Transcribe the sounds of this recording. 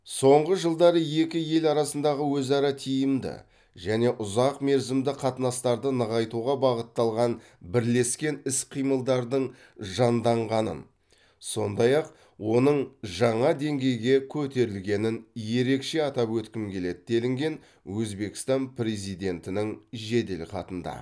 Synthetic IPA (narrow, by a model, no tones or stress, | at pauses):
so̞ɴʁəʒəlˠd̪ɑɾəje̞kʲɪje̞lɑɾɑsənd̪ɑʁəwɵzɑɾɑt̪ʰijɪmd̪ɪ̰ | ʒæne̞ʔʊzɑqme̞ɾzɪmd̪ɪqʰɑt̪ənɑst̪ɑɾd̪ənəʁɑjt̪uʁɑbɑʁət̪ːɑlˠʁɑn | bɪɾle̞skʲe̞nɪsqʰijməlˠd̪ɑɾd̪əɴ | ʒɑnd̪ɑɴʁɑnə̰n | so̞nd̪ɑjɑq | wo̞nəɴʒɑɴɑd̪e̞ŋɡʲe̞jɡʲe̞kʲʰɵt̪e̞ɾɪlɡʲe̞nɪnje̞ɾe̞kʃe̞ɑt̪ɑpwɵt̪kʲɪmkʲʰe̞le̞d̪ɪd̪e̞lɪŋɡʲe̞n | wɵzbe̞kʲɪ̥st̪ɑnprezijd̪e̞nt̪ɪnɪŋʒe̞d̪elqʰɑ̰t̪ənd̪ɑ̰